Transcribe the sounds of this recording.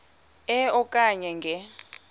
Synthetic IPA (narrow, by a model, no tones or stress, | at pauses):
ɛɔkʼaɲɛŋɡʱɛ